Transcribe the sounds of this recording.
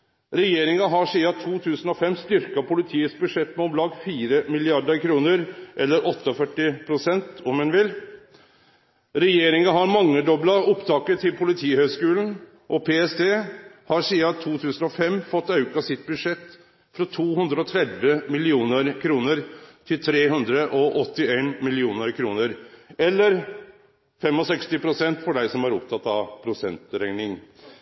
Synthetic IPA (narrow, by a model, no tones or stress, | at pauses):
ɾɛjeːɾɪŋɑɦɑʂiːɑt̪ʰuːt̪ʰʉːsən̩ɔfɛmst̪ʏɾkɑpʰʊlɪt̪ʰiːət̪sbʉʂɛt̪ːmɛɔmlɑːɡfiːɾəmɪlɪɑɖəɾkʰɾuːnəɾʔɛlːəɾʔɔt̪ːəɔfœʈːɪpʰɾʊsɛnt̪ɔmɛnʋɪl | ɾɛjeːɾɪŋɑɦɑɾmɑŋːəɖ̪ɔblɑʊpt̪ʰɑːkəʈʰɪlpʰʊlɪt̪ʰiːhœɡskʉːln̩ | ʔɔpʰeːɛsd̪eːhɑɾʂiːɑt̪ʰuːt̪ʰʉːsən̩ɔfɛmfɔt̪ːɑʉkɑsɪt̪̚bʉd̪ʂɛt̪ː | fɾɔt̪ʰuːhʉnd̪ɾəɔt̪ʰɾɛd̪ʋəmɪlɪuːnəɾkʰɾuːnəɾt̪ʰɪlt̪ʰɾeːɦʉnd̪ɾəʔɔʔɔt̪ːɪeːnmɪlɪuːnəɾkʰɾuːnəɾɛlːəɾ | fɛmɔsɛkst̪ɪpʰɾʊsɛnt̪fɔɖæɪsɔmæɾʊpt̪ʰɑt̪ːɑʋpʰɾʊsɛnt̪ɾæɪnɪŋ